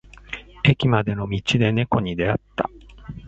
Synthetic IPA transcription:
e̞kʲimad̪e̞no̞mʲit͡ɕid̪e̞ne̞ko̞ɲ̟id̪e̞at̪ːa̰

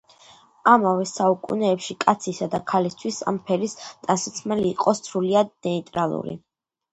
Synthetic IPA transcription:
amavɛsaukʼṵnɛːpʃikʼat̪sʰisad̪akʰalist̪ʰwisa̰mpʰɛɾist̪ʼansat̪sʰmɛliːqʼɔst̪sʰɾuliad̪̚nɛit̪ʼɾalˠṵɾḭ

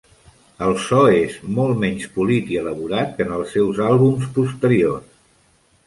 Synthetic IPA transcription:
əlˠsɔezmɔlˠtmɛɲspulit̪iələβuɾat̪̚kənəlˠsːɛwzalˠβumspust̪əɾior

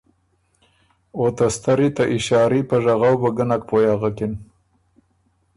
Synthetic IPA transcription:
ot̪ast̪aɾit̪aʔɪʃɑːɾipəʐaɣawbəɡənak̚pojɑɣakɪn

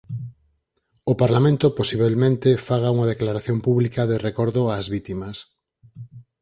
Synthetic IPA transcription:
opaɾlamẽnt̪oposiβelmẽnt̪efaɣ̞auŋað̞eklaɾaθjompuβlikaðerekɔɾðoazβit̪imɐs

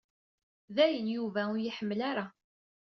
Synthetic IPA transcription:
ðæjənjuvæʊjiħəmːəlaɾa

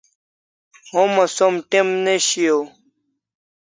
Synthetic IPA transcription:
ɦomɐsomʈemneɕijo

